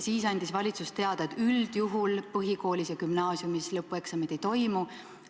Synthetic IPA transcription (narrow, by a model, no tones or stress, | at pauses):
siːsɑnʲd̪̥isvɑlʲit̪sust̪e̞ɑd̪̥ɑet̪yld̪̥juɦulpɤɦiko̞ːlʲisjɑkymnɑːsjumislɤpːˑue̞ksɑmed̪̥ejt̪o̞jmu